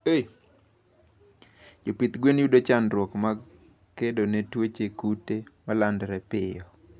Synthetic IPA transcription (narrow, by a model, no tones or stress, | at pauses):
e | d͡ʒopit̪ɡwenjudot͡ʃanɾwɔkma | kːedonetwot͡ʃekutemalandɾɛpɪjɔ